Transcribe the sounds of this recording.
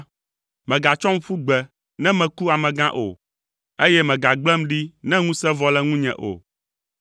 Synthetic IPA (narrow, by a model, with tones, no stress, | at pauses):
mɛ̃˨ɡa˨t͡ʃɔ˦m̩˦fu˦ɡ͡bɛ˨ | nɛ̃˦mɛ̃˨ku˦a˨mɛ̃˨ɡã˦ʔo̰˨ | e˦jɛ˦mɛ̃˨ɡa˨ɡ͡blɛ˦mɖi˦nɛ̃˦ŋũ˦sɛ˦vɔ˦lɛ˦ŋũ˦ɲɛ̰̃˨ʔo̰˨